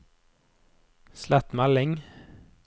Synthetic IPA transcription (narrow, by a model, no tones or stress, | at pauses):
slæt̪mælɪŋ